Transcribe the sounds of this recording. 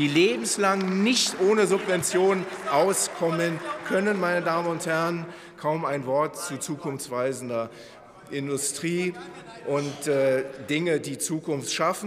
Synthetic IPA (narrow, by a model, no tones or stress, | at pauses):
iːleːbm̩slaŋnɪçtʔoːnəzʊpvɛnt͡sjoːnʔaʊskʰɔmənkʰœnənmaɪnədaːmənʊnthɛʁən | kʰaʊmaɪnvɔɐtt͡sut͡suːkʰʊnft͡sv̥aɪzn̩dɐ | ʔɪndʊstʁ̥iː | ʔʊntːd̥ɪŋədiːt͡suːkʊnftʃafn̩